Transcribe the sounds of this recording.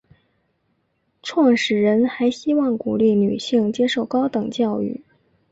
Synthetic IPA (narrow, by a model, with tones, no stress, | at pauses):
ʈ͡ʂʰwɑ˥˩ŋʂɻ̩˨˩ɻə˧˥nxa˧˥ɪɕi˥wɑ˥˩ŋku˨˩li˥˩ny˨˩ɕi˥˩ŋt͡ɕjɛ˥ʂo˥˩ʊkɑ˥ʊt̪ɤ˨˩ŋt͡ɕjɑ˥˧ʊy̰˥˩